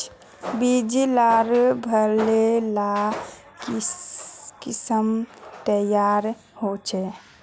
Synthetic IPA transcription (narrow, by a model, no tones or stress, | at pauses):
bid͡ʒilaɾbʱəɾlela | k | kɪsəmt̪əjaːɾ | hot͡ʃʰɛ